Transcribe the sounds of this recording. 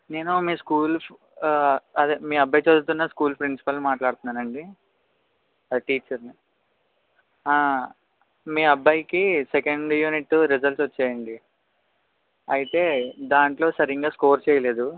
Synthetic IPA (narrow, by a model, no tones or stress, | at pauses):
ne̞ːnumiːskuːl | ɐd̪imiːɐbʱːɐjt͡ʃeːd̪ut̪̬unːɐskuːlpɾinsi̥pɐlːumaːʈlaːɽt̪unːaːnɐɳɖi | ɐd̪iʈiːt͡ʃɐɾni | aː | miːɐbːajikisekɐɳɖjuːniʈːɾid͡ʒɐlsʋɐt͡ʃːɛːjɐɳɖi | ɐjit̪e̞ːd̪aːɳʈlo̞ːsɐɾiŋɡaːskoːɾt͡ʃɛːjɐle̞ːd̪u